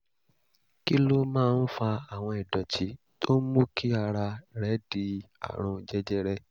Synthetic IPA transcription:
ki˦lo˦mãː˦˧n̩˦fa˧a˨w̃ɔ̃˧ɛ˨dɔ˨t͡ʃi˨˦ | to˦mu˦kʰi˦a˧ɾa˧ɾɛ˨˦di˧a̰˨ɾ̃ɔ̃˧d͡ʒɛ˦d͡ʒɛ˦ɾɛ˧

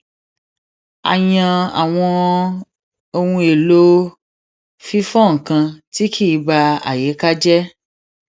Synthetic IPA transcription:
a̰˨jã˧a̰˨w̃ɔ̃˧ | o˧wũ˧e˨lo˦ | fi˦fɔ̃˦˨ŋ̩˨kã˧ti˦kʰi˦˨˧ba˧a̰˨je˨˦ka˦d͡ʒɛ˦

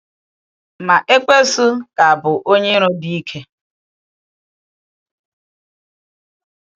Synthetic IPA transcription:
ma˨ʔe˦k͡pe˦sʊ˦ka˨a˨bʊ˨ʔo˦ɲe˦ɾo˦di˦i˦kʰe˦

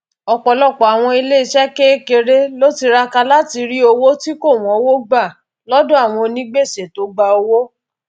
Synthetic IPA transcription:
ɔ˨k͡pɔ˨lɔ˦˨k͡pɔ˨a˨w̃ɔ̃˧i˧le˦i˧˨ʃɛ˦ke˦ke˧ɾe˦lo˦ti˧ɾa˧ka˧la˦ti˧ɾi˦o˧wo˦ti˦ko˦˨w̃ɔ̃˨˦wo˦ɡ͡ba˦˨ | lɔ˦dɔ̃˦a˦˨w̃ɔ̃˧nĩ˦ɡ͡be˦˨se˨to˨˦ɡ͡ba˧o˧wo˦

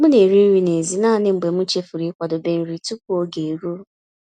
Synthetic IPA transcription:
mʊ˦ne˨ɾi˦ɾi˨ne˨zi˨naː˦˨nɪ˦ŋ͡m̩˨ɡ͡be˨m̩˦t͡ʃe˦fu˨ɾi˨˦kʷa˨dʊ˨be˨n̩˨ɾi˨tu˦pu˦o˦ɡe˨e˨ɾu˦

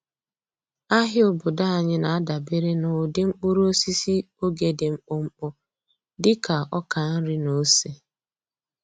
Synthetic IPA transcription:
a˦ɦɪ˦o˨bʊ˨da˦a˨ɲɪ˦na˨a˦da˨be˦ɾe˦nʊ˨dɪ˦ŋ͡m̩˦k͡pʊ˦ɾo˦si˦si˦ | o˦ɡe˨dɪ˨ŋ͡m̩˨k͡pʊ˦ŋ͡m̩˦k͡pʊ˦ | dɪ˦ka˨ɔ˦ka˨n̩˦ɾɪ˦no˨˦se˦

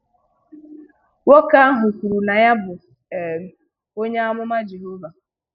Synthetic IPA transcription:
wo˦ka˦a˦ɦʊ˨kʷu˨ɾu˨na˨ja˦bʊ˨ | e˨m˨ | o˦ɲe˦a˦mʊ˦ma˦d͡ʒe˨ɦo˦va˨

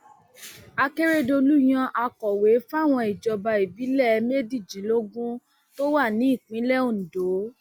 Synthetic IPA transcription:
a˧ke˦ɾe˦do˧lu˦j̃ã˧ʔa˧kɔ˨we˨˦fa˦˨w̃ɔ̃˧i˨d͡ʒɔ˨ba˧i˨bi˨˦lɛ˦˨˦me˦di˦˨d͡ʒĩ˨˦lo˦ɡũ˦ | to˦wa˦˨nĩ˨˦i˦˨k͡pĩ˨˦lɛ˦o˦˨n̩˨do˨˦

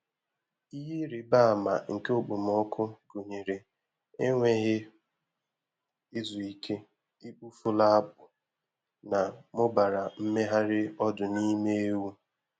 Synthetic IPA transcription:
i˦ɦe˦ɾi˨ba˦a˨ma˨ŋ̩˨ke˦o˨k͡po˨m̩˨ɔ˦kʰʊ˦ɡo˨ɲe˨ɾe˨ | e˦ŋʷe˦ɣɪ˦ | ɪ˦zu˨i˦kʰe˦ | i˦k͡pu˦fʊ˦la˦a˦bʊ˨ | na˨mʊ˦ba˨ɾa˨m̩˦me˦ɦa˦ɾɪ˦ɔ˦dʊ˨ni˦me˦e˦wu˦

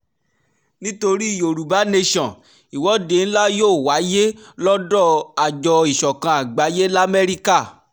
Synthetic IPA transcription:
nĩ˦to˧ɾi˦i˦˨jo˨ɾu˨ba˨˦ne˧ʃɔ̃˨ | i˨wɔ˨˦de˨˦n̩˦la˦joː˦˨wa˨˦je˦lɔ˦dɔ˦˨a˨d͡ʒɔ˧i˨ʃɔ˨kã˧a˨ɡ͡ba˨˦je˦la˦mɛ˦ɾi˦ka˦˨

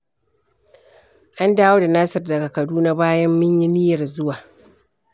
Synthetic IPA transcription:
ʔa˦ndaː˦woː˦da˨naː˦sɐ˨rdɐ˨ɡa˨kɐ˨duː˦na˦baː˦jɐ˦mːɪ˦ɲji˦nɪ˦jɐ˨rzʊ˦waː˨

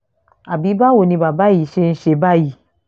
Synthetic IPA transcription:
a˨bi˨˦ba˦wo˨nĩ˧ba˨ba˦ji˨ʃe˦n̩˦ʃe˨˦ba˦ji˨

